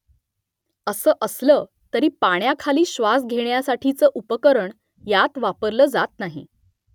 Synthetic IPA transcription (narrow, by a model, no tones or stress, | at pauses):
əsəːʔəsləː | t̪əɾiːpaɽ̃jakʰaliːɕʋasɡʱeɳjasaʈʰit͡səːʔupəkəɾəɳ | jat̪ʋapəɾləːd͡zat̪naɦḭ